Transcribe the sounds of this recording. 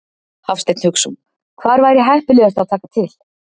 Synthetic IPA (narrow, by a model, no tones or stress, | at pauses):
hafst̪ɛk̪n̥hʏksum | kʰvaːɾvaːjɾɪɦajhpɪlʏast̪aðt̪ʰaːkat̪ʰɪl